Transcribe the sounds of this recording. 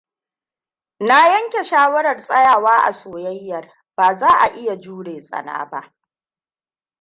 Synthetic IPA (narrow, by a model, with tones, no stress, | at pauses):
na˦jɐ˦ŋkʲe˨ʃaː˦wɐ˦ɽɐ˨rsʼɐ˦jaː˨waː˦ʔa̰˨soː˨jɐ˦jːɐ˨r | b̥aː˨zaː˦ʔa˨ʔɪ˦ja˨d͡ʒuː˦ɽeː˨sʼɐ̰˨na̰ː˦ba̰˦ʔ